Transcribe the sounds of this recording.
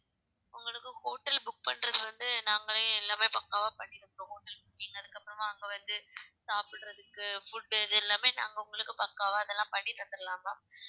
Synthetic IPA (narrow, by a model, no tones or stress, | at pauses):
ʊŋɡɐɭɯkːɯkoːʈːɐlbʊk̚pɐɳːɾɐðɯʋɐnd̪ɯnaːŋɡɐɭɐɪlːaːmeːpɐkːaːʋaːpɐɳːɪɾɐmɾõːkoːʈːɐlbʊkːiːŋɡɐɐðɯkːɐpːɯɾɐmaːŋɡeʋɐnd̪ɯsaːpɪɽɾɐðɯkːɯfʊɖːɛðɛlːaːmeːna̰ːŋɡɐʊŋɡɐɭɯkːɯpɐkːaːʋaːɐðɛlːãːpɐɳːɪt̪ːɐt̪ːɐɾɐlaːmaː